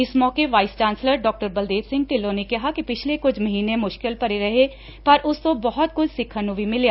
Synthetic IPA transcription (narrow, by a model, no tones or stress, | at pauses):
ɪsmɔːkeʋaːɪst͡ʃãːnsləɾɖɔːk̚ʈəɾbəld̪eːtsɪ̃ŋɡ̚ʈɪlːõnekɐɦakipɪt͡ʃʰlekʊt͡ʃʰmɐɦiːnemʊʃkɪlpɐɾeɾɐɦe | pɐɾʔʊskobɔɦɔt̪̚kʊt͡ʃʰsɪkʰənũbʱimɪljaː